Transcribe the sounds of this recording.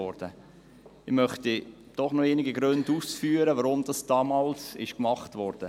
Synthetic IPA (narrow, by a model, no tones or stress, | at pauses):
ɔɾd̥ə | ɪmœχti | d̥ɔχnɔeːniɡiɡɾʏnduːsfyːəɾəvɑɾʊmdɑsd̥ɑːmɑːlsɪ̰ʃkmɑχtvɔɾd̥ə